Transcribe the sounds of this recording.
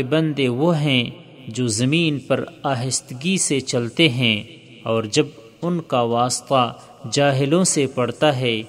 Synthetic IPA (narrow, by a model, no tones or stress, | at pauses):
bɐ̃nd̪eʋoɦɛ̃ | d͡ʒoːzɐmiːnpɐɾaːɦɪst̪ɡiset͡ʃɐlt̪eɦɛ̃ | ɔːɾd͡ʒɐb | ʊnkaʋaːst̪a | d͡ʒaːɦɪlõsepɐɽt̪aɦɛː